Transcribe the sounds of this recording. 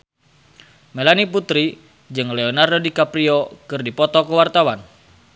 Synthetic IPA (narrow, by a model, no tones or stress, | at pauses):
melaniput̪ɾi | d͡ʒɨŋlɛɔnardodikapɾiɔkɨrdipɔt̪ɔkəwart̪awan